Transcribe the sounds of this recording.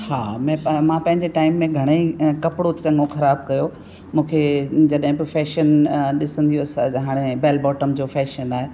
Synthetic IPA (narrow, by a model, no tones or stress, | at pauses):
haːmɛ̃ːmãpɐ̃ɦɪɲd͡ʑeʈaːɪmːẽɡʱɐɽ̃eikɐpɪɽot̪t͡ɕɐ̃ŋɡõxɐɾaːb̚kɐjo | mũːkʰed͡ʑɐɗɦɪ̃pɾofɛːʃənɗɪsə̃nd̪ijũsɦaːɽ̃ebɛːlbɔːʈəmd͡ʑoːfɛːʃənaːɦe